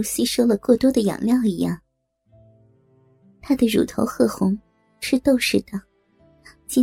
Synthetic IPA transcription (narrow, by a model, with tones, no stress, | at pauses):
ɕi˥ʂo˥ʊlə˨kwɔ˥˩t̪wɔ˥d̪ə˨jɑ̰˨˩ŋljɑ˥˩ʊi˧˥jɑ˥˩ŋ | t̪ʰa˥d̪ə˨ɻṵ˨˩t̪ʰo̰˧˥ʊxɤ˥˩xʊ˧˥ŋ | ʂɻ̩˥˧t̪o˥˧ʊʂɻ̩˥˩d̪̥ə˩ | t͡ɕi˥